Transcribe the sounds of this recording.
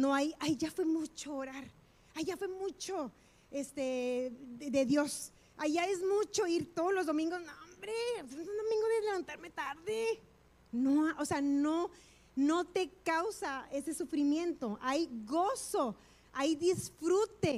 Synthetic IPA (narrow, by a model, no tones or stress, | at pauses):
noajajʝafwe̞mut͡ʃoːɾaɾ | ajʝafwe̞mut͡ʃo̞ | est̪e | d̪eðjo̞s | ajʝaezmut͡ʃo̞iɾt̪oðolo̞zðo̞mĩŋɡosnombɾeanond̪omĩŋɡoðeleβant̪aɾme̞t̪aɾðe | noaʔoseano | no̞t̪e̞kawsae̞se̞sufɾimjẽ̞nt̪o̞ʔajɣo̞so | ajðisfɾut̪e̞